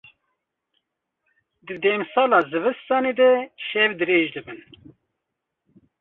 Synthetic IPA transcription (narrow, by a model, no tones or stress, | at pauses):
d̪ɨd̪ɛːmsɑːlɑːzɨvɨst̪ɑːneːd̪ɛʃɛvd̪ɨɾeːʒd̪ɨbɨn